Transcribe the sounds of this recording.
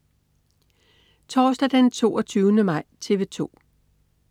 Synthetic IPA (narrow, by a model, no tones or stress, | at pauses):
t͡sʰɒːsd̥æd̥ent͡sʰo̝̰ːɒt͡sʰyːʊnəmɑ̈ɪ̰t͡sʰe̝ʋe̝t͡sʰo̝̰ː